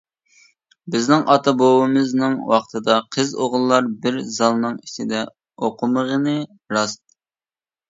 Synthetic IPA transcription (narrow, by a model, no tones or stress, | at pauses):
bɪznɪŋʔɑt̪ʰɑbowɨmɨznɨŋwɑχt̪ʰɨd̪ɑqʰəzoʁlˠːɑɾbɪɾzɑlˠnɨŋit͡ʃ̪ɪd̪ɛ | oqʰʊməʁənɨ | ɾɑst̪